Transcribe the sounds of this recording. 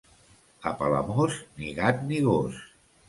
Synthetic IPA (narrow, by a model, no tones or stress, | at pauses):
əpalə̰mozniɣat̪̚niɣos